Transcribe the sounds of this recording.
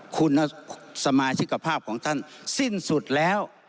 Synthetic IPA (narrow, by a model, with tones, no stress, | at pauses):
kʰu˧nːa˧sa˧maː˧t̪ʰi˦˥kʰːa˧pʰaː˥˩p̚kʰɔː˩˦ŋt̪ʰa˥˩nsi˥˩nsu˨˩t̪̚lɛː˦˥w